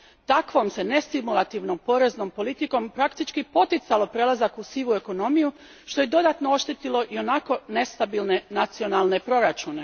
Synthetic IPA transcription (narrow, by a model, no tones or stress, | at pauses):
t̪akʋo̞mse̞ne̞st̪imulˠat̪iʋno̞mpo̞ɾe̞zno̞mpo̞lit̪iko̞mpɾakt̪it͡ʃkipo̞t̪it̪salo̞pɾe̞lˠazakusiʋue̞ko̞no̞miju | ʃt̪o̞je̞d̪o̞d̪at̪noo̞ʃt̪it̪ilo̞ʔio̞nako̞ne̞st̪abilˠne̞nat̪sio̞nalˠne̞pɾo̞ɾat͡ʃune̞